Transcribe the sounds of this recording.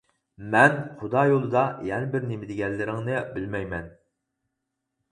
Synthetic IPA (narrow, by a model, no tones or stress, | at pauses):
mɛnχʊd̪ɑjolˠɨd̪ɑjɛnɪbɪɾnemɪd̪ɪɡʲɛlːɪɾɪŋnɪbɪlmɛjmɛn